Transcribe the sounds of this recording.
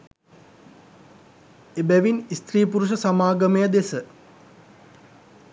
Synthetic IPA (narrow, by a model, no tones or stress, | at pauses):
ebæʋinist̪riːpuɾuʃ̬əsamaːɡəməjəd̪esə